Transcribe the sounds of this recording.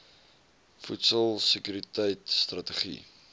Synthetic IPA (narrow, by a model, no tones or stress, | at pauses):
futsəlˠsəkyɾitəjtst̪rɐtəχḭ